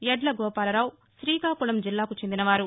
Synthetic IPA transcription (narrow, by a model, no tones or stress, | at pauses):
jɛɖlɐɡɔːpaːlɐɾaːw | ʃɾiːkaːkuɭɐmd͡ʒilːaːkut͡ʃend̪inɐʋaːɾu